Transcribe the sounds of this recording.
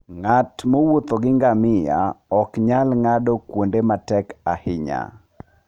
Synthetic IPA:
ŋatmowot̪oɡɪŋɡamɪja̰ɔkɲalŋadɔkwondematɛkahɪɲa̰

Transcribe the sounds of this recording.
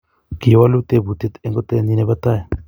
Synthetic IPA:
kiowalut̪ebut̪et̪eŋɡot̪eninebat̪ae

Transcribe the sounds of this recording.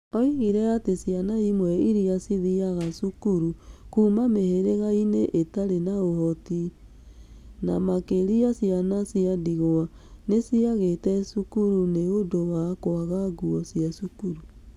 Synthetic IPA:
ɔiɣiɾɛatesijanaimwɛiɾiasiðiaɣasukuɾukuːmameheɾeɣaineʔetaɾenaohɔti | namakeɾiasianasiadiɣoa | nesiaɣetɛsukuɾuneodowakoaɣaɡuɔsiasukuɾu

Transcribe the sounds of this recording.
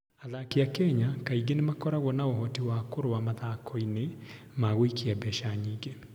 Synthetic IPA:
aðakeakɛɲakaiɣenemakɔɾaɣwɔnaoɦɔtiwakoɾoamaðakʰɔine | maɣoikiabɛʃaɲiːŋɡe

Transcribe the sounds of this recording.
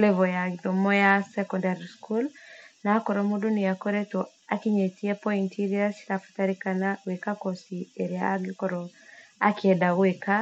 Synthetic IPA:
lɛvɔjanɔmɔjasɛkɔndaɾiskulnakɔɾɔmudunijakɔɾɛtɔakiɲetiɛpɔintiɾiasi̥ɾafu̥taɾikanawekakɔsieɾiaɡikɔɾɔakiɛdaweka

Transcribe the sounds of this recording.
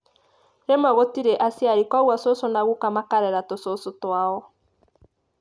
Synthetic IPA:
ɾemaɣotiɾeʔasjaɾikwaɣwasosonaɣukamakaɾɛɾatososotwaɔ

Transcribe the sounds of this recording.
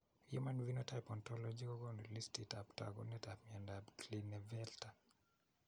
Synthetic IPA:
jṵmanvinotajpɔntɔlɔd͡ʒikɔɡɔnolistitapta̰ɡɔ̰nɛtapmiɛndabklinɛvɛlta

